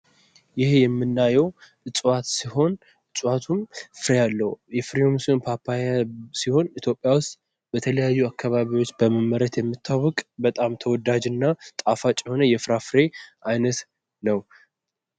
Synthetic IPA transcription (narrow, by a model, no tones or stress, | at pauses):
jɪhjɛmːɨnːajɛwʔɨt͡ʃʼwat̪siho̞n | ʔɨt͡ʃʼwat̪ʰumfɨɾejalːəhujɛfɾio̞msnpʰapʰːajasiho̞nit̪ʰjo̞pʼːjawʊst̪ʼ | b̥ət̪ʰələjajːuakʰːaβaβiwot͡ʃːbəməmːəɾət̪jɛmːɨt̪ʰːawɔkʼbət̪ʼamt̪ʰəwɔd̪ad͡ʒɨnːat̪ʼafat͡ʃʼjho̞nəjɛfɾafɨɾe̞ʔajnət̪ | nəw